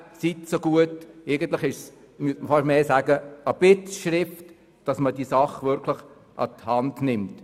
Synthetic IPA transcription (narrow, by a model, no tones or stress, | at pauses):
sitsoɡuəteɪɡən̩t̪lɪχɪʃs | myətməfɑʃmeːsæːɡəəb̥ɪtʃɾɪft | d̥ɑsmədiəsɑχʋʏɾkʰlɪχ | ʔɑ̰thɑndnɪmt